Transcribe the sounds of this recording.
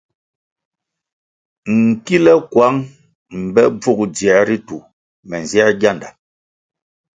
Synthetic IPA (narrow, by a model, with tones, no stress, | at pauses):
ŋ̩˨ki˦lɛ˦kwa˨˦ŋ | m̩˨bɛ˦b͡vu˦˨k̚jɛ˨˦ɾi˦tu˨ | mɛ˨n˨zjɛ˦ɡja˦˨nda˨